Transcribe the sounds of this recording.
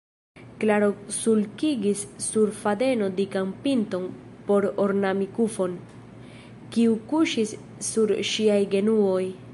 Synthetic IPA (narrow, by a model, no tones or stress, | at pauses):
klaɾosulkiɡisːuɾfade̞no̞dikampinto̞n | po̞ɾoɾnamikufo̞n | kiukuʃisː | uɾʃiajɡe̞nuo̞j